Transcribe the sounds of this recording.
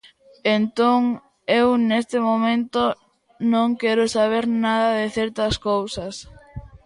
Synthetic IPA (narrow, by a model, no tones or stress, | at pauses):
ent̪oŋ | ewnest̪ɪmomẽnt̪o | nõŋkɛɾʊsaβ̞eɾnaðɐðɪθɛɾt̪ɐskowsɐs